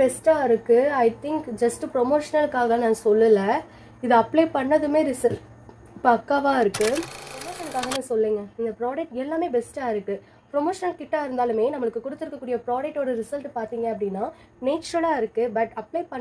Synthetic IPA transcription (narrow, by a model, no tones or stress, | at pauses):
bɛsʈaːɪɾɯkːɯɐɪt̪ɪŋkd͡ʒɐsʈpɾɔmoːʂɐnɐlɯkːaːɣɐnãːsɔlːɯlɐ | ɪðɯɐplepɐɳːɐðɯmeːɾɪsɐl | ɪpːɐɐkːaːʋaːɪɾɯkːɯpɾɔmoːʂɐnɐlɯkːaːɣɐnãːsɔlːiːŋɡɐɪnd̪ɐpɾaːɖɐk̚ʈɛlːaːmeːbɛsʈaːɪɾɯkːɯ | pɾɔmoːʂɐnɐlkɪʈːaːɪɾɯnd̪aːlɯmeːnɐmːɐɭɯkːɯkʊɽɯt̪ːɯɾɯkːɐkːuːɽɪjɐpɾaːɖɐk̚ʈɔɽɯɾɪsɐlʈpaːɾt̪iːŋɡɐɐpːɐɽɪnːaː | neːt͡ʃɐɾɐlaːɪɾɯkːɯbɐʈɐpleːpɐ